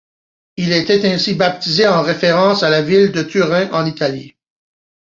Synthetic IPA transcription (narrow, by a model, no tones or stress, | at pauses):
ilet̪ɛt̪ɛ̃sibap̚t̪izeɑ̃ʁefeʁɑ̃salavild̪ət̪yʁɛ̃ʔɑ̃nit̪alḭ